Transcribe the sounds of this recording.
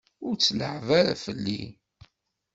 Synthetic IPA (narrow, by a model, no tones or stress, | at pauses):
ʊɾt͡sːləʕvaɾa̰fəlːḭ